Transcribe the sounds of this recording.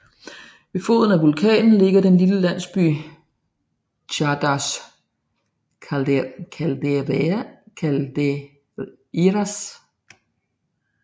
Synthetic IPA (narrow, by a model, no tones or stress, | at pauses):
ʋe̝fo̝̰ðˠn̩æʋulkʰɛ̰ːnn̩le̝ɡ̥ɐɾ̥enliləlæn̰sb̥y̰ː | ɕʰɑd̥ɑs | kʰæld̥e | ælde | iʁæs